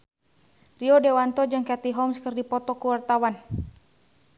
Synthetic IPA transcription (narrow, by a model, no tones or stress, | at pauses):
riɔdewant̪ɔd͡ʒaŋkat̪iɦɔmskərdipɔt̪ɔkuwart̪awan